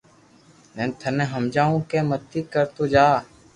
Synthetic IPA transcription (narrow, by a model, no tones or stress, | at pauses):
nẽːnt̪ʰənẽːɦəmd͡ʒaːõːkẽːmət̪ːiːkəɾt̪oːd͡ʒaː